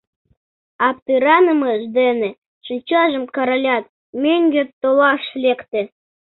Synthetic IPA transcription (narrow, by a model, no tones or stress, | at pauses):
ɑp̚t̪ɨɾɑnəmɤʒd̪enĕ | ʃɨt͡ɕɑʒə̆mkɑɾolʲɑt̪̚ | mʲeŋʲɡʲet̪ːolɑʃlʲekt̪ĕ